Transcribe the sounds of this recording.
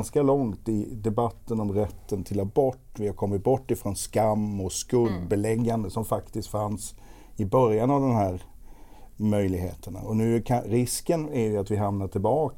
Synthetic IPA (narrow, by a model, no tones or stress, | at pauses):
nskalɔŋt̪ɪd̪ɛbat̪ːənɔmɾɛt̪ːənt̪ʰɪlɔbɔʈːvɪhaɾkʰɔmːɪt̪̚bɔʈːɪfɾɔnskamːɔskɵld̪bɛlɛɡːand̪əsɔmfakt̪ɪst̪fans | ɪbœɾjanavd̪ɛnɦæːɾ | mœjlɪɡɦḛːt̪ʰəɳa̰ɔnʉ̟ːkʰaɾɪskənæɾjəat̪vɪɦamnaʈʰɪlbɑːk